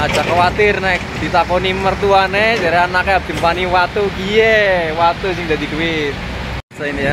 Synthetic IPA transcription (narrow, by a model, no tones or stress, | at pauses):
ḁd͡ʒakawat̪ɪrnak̚d̪̥it̪akonimərt̪uaned͡ʒaɾeanakeab̚d̪̥i̤mpaniwat̪ukijewat̪usɪŋd̪ad̪idui | sainija